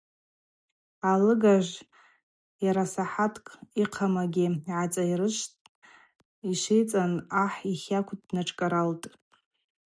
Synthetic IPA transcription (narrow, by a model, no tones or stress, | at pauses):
alɨɡaʒʷ | jaɾasaħatʰkʼiqʰamaɡʲiʕat͡sʼairɨʃtʼ | iʃʷejt͡sʼanaħiχʲakʷʰdnaʈ͡ʂʰʼkʼaɾaltʼ